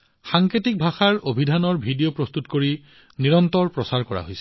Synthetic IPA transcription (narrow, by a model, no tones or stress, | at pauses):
xaŋketik̚bʱaxaɹobʱidʱanɔɹbʱidiopɹost̪utkoɹi | niɹɔntɔɹpɹɔsaɹkɔɹa̰ɦojsɛ̥